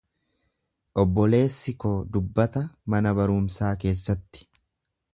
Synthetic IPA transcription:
ʔɔbːɔle̞ːsːɪkoːd̪ʊbːɐt̪ɐmɐnɐbɐɾʊːmsaːke̞ːsːɐt̪ːɪ̥

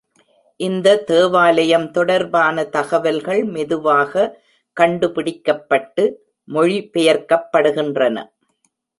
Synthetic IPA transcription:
ʔɪnd̪ɐt̪eːʋaːlɐjɐmt̪ɔɽɐɾbaːnɐt̪ɐɣɐʋɐlɣɐɭmɛðɯʋaːɣɐ | kɐɳɖɯpɪɽɪkːɐpːɐʈːɯ | mɔɻipɛjɐɾkɐpːɐɽɯɣɪndrɐnɐ̰

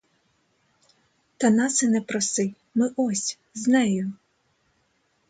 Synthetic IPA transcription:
t̪ɐnɑsɪnɛpɾɔsɪj | mɪʔɔsʲ | znɛjʊ

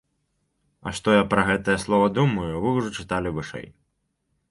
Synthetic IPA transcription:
ɐ̰ʂt̪ɔjapɾɐɣɛt̪ɐjɐslˠɔvɐd̪umɐjuvɨwʐɔt͡ʂɨt̪alʲivɨʂɛ̰j

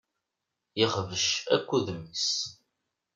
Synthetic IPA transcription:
jiχvəʃæ̰kʷːuðmis

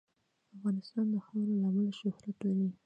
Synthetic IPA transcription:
afɣɑnɪst̪ɑnd̪əxawɾolɑməlʃʊhɾat̪laɾi

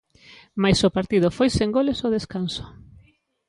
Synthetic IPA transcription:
majsopaɾt̪ið̞ʊfojseŋɡolesoðeskanso̥

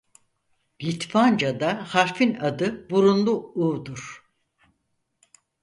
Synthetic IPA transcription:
lit̪fand͡ʒad̪ahaɾfinad̪ɯbuɾunlˠuuːd̪uɾ̥

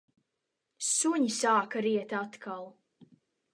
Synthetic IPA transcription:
suɲisaːkaɾiɛt̪at̪kʰalˠ

